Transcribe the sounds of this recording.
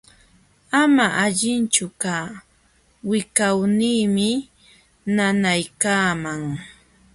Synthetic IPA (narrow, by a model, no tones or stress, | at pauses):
amaʔaʎɪnt͡ʃʊkaː | wɪkawniːmɪ | nanajkaːmaŋ